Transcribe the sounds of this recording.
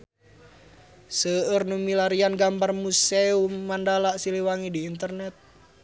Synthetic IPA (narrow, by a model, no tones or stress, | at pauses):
səərnumilaɾianɡambarmuseumːandalaʔsiliwaŋidiːnt̪ərnɛt̪̚